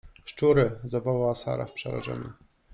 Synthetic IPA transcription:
ʂt͡ʂuɾɘzavawaasa̰ɾa̰fpʂɛɾa̰ʐɛ̰mṵ

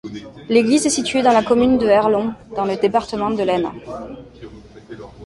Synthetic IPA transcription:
leɡlizɛsit̪ɥed̪ɑ̃lakɔmynd̪əɛʁlɔ̃d̪̥ɑ̃ləd̪epaʁt̪əmɑ̃d̪əlɛnã̰

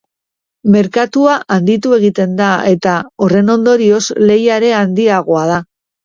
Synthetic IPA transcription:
me̞ɾkat̪uaʔand̪it̪ue̞ɣ̞it̪e̞nd̪ae̞t̪ao̞re̞no̞nd̪o̞ɾio̞zle̞jaɾe̞and̪iaɣ̞oað̞a

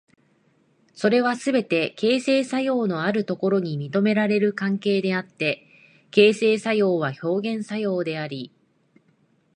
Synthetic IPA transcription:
so̞ɾe̞β̞asɨbe̞t̪e̞ke̞ːse̞ːsajo̞ːno̞aɾɯ̟t̪o̞ko̞ɾo̞ɲ̟imʲit̪o̞me̞ɾaɾe̞ɾɯ̟kãŋke̞ːd̪e̞at̪ːe̞ | ke̞ːse̞ːsajo̞ːβ̞aço̞ːɡẽ̞ɰ̃sajo̞ːd̪e̞aɾʲi

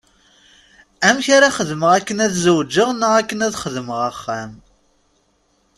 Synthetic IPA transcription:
æmçaɾaχəðməʁækːənæðzəwd͡ʒːəʁnəʁækːənæðχəðməʁəχːæm

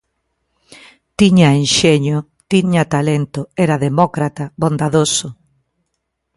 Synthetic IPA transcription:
t̪iɲaenʃeɲo | t̪iɲat̪alent̪oɛɾaðemɔkɾat̪aβõnd̪aðosʊ

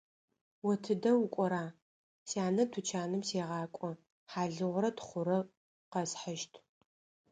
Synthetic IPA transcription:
wɔtʰɨdɐwʊkʷʼɔɾaː | saːnɐtʰut͡ʃʰaːnɨmseːʁɑːkʷʼɔ | ħaːɮɨʁʷʊɾɐtχʷʊɾɐ | qɐsħəʃtʰ

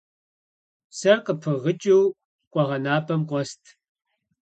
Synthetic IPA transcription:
sɐrqəpʰɨʁət͡ʃʼiw | qʷʼɔʁɐnaːpʰʼɐmqʷʼɔstʰ

